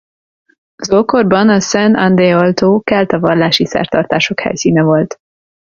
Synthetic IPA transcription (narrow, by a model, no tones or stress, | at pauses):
zolkorbɒnɒsɛnɒnd̪eːɒlt̪oːkɛlt̪ɒvɒrlaːʃisɛ̰rt̪ɒrt̪aːʃo̞khɛ̰jsiːnɛvo̞lt̪